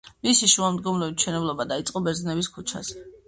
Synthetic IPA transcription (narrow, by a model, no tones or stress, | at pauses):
misiʃuamd̪ɡɔmlɛvit̪ʃɛnɛblˠɔbad̪ait̪sʼqʼɔbɛɾznɛbiskʰut͡ʃʰa̰zɛ